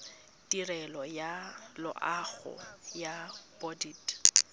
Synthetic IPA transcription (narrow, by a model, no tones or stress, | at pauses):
tirɛlɔjalʊ̰ʔaɣʊ̰jabɔdit